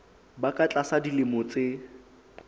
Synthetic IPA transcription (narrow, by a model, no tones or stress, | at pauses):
bakʼat͡ɬʼasadilɪmʊt͡sʼɪ